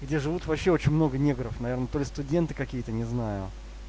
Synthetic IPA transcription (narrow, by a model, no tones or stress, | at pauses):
ɡdʲeʐɨvut̪vɐpɕːeo̞t͡ɕɪnʲmno̞ɡənʲeɡəɾəfnɐvʲe̞rnət̪o̞lʲɪst̪ʊdʲe̞nt̪ɨkɐkʲijət̪ənʲɪznajʊ